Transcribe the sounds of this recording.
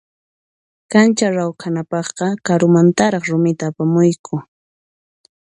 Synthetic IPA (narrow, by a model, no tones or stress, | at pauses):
kant͡ʃaɾawkʰanapɑχqɑkaɾʊmant̪aɾɑχɾʊmɪt̪aːpamʊjkʰʊ